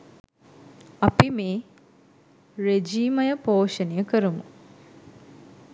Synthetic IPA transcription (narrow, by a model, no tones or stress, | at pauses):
apimeː | ɾed͡ʒiːmɐjəpoːʂənəjəkəɾəmu